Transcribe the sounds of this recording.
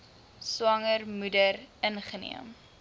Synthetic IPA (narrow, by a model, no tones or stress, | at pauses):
swɐŋərmudərənχənḭəm